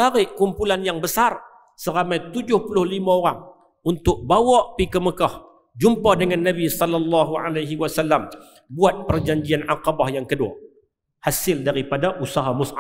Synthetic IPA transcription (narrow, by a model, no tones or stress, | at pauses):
aɾɪʔkumpulanjaŋbəsar | səɾamajt̪ud͡ʒʊhpulʊhlimaoɾaŋ | unt̪ʊk̚bawɔʔpikəməkah | d͡ʒumpadəŋanːabisɔlːalːɑɦua̰lajɦiwasalːam | buat̪̚pərd͡ʒaɲd͡ʒianʕaqɑbahjaŋkədua̰ | hasɪldaɾipadaʔusaɦamʊsʔa